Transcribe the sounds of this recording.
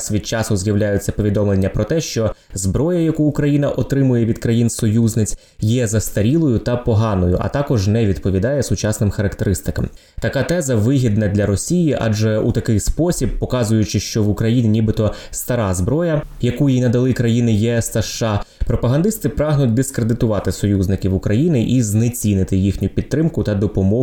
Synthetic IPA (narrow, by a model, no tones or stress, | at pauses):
sʲʋʲid̪̚t͡ʃɑsʊzʲjɐwlʲajʊt͡sʲːɐpɔʋʲid̪ɔmlˠenʲːɐpɾɔt̪ɛʃt͡ʃɔzbɾɔjɐjɐkuːkɾɐjin̪ɐʔɔt̪ɾɪmʊjɛʋʲid̪kɾɐjinsɔjuznɪt͡sʲ | jɛzɐst̪ɐɾʲilˠɔjʊt̪ɐpɔɦɑnɔjʊ̰ʔɐ̰t̪ɑkɔʒnɛʋʲid̪pɔʋʲid̪ɑjɛsʊt͡ʃɑsnɪmxɐɾɐkt̪eɾɪst̪ɪkɐm | t̪ɐkɑt̪ɛzɐʋɪɦʲid̪nɐd̪lʲɐɾɔsʲijiʔɑ̰d͡ʒɛut̪ɐkɪjspɔsʲib̚pɔkɑzʊjʊt͡ʃɪʃt͡ʃɔʋʊkɾɐjinʲinʲibɪt̪ɔst̪ɐɾɑzbɾɔjɐjɐkujinɐd̪ɐlˠɪkɾɐjinɪjɛɛst̪ɐʃːɑpɾɔpɐɦɐnd̪ɪst̪ɪpɾɑɦnʊt̚ʲd̪ɪskɾed̪ɪt̪ʊʋɑt̪ɪsɔjuznɪkʲiʋʊkɾɐjinɪʔiznet͡sʲinɪt̪ɪjixnʲʊpʲid̪̚t̪ɾɪmkʊt̪ɐd̪ɔpɔmɔ